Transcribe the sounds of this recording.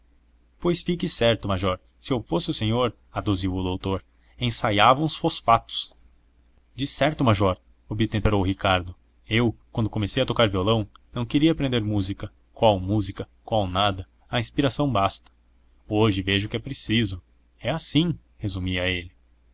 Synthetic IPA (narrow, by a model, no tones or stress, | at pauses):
pojsfikɪsɛɾt̪ʊmaʒɔɾ | sɪewfosɪʊsẽɲoɾ | ad̪uziwʊd̪owt̪oɾ | ẽsajavɐũsfosfat̪ʊ̥s | d͡ʒɪsɛɾt̪ʊmaʒɔɾ | obit̪ẽpeɾowʊɦikaɾd̪ʊ | ewkwɐ̃nd̪ʊkomesejɐt̪okaɾviolɐ̃w̃nɐ̃w̃keɾiɐpɾẽnd̪eɾmuzikɐ | kwawmuzikɐ | kwawnad̪ɐ | ɐĩspiɾasɐ̃w̃bast̪ɐ̥ | oʒɪveʒʊkɪɛpɾesizʊ | ɛasĩ | hezumiɐelɪ